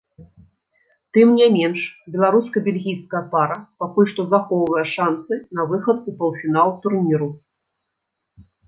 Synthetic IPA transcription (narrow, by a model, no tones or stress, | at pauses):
t̪ɨmnʲɛmʲɛnʂbʲɛlˠaɾuskɐbʲɛlʲɣʲijskɐjɐpaɾɐpakulʲʂt̪ɔzaxɔwvɐjɛʂansɨnɐvɨxɐt̪̚upɐlˠfʲinaw̪ˠt̪urnʲiɾu